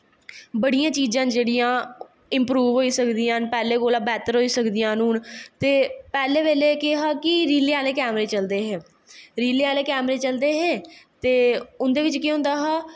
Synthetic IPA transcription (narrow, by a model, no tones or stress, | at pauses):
bəɽijãːt͡ʃiːzãːd͡ʒeːɽijãː | ɪmpɾuːʋɦoːiːsəkd̪iːãːnpɛːleːkoːlaːbɛːt̪əɾɦoːiːsəkd̪ɪjãːnũːnt̪eːpɛːleːʋeːleːkɪɦaːkɪɾiːleaːleːkɛːmɾeːt͡ʃəld̪eːɦɛː | ɾiːleːaːleːkɛːmɾeːt͡ʃəld̪eːɦɛːt̪eːʊnd̪eːʋɪt͡ʃkɪɦʊ̃nd̪aːɦaː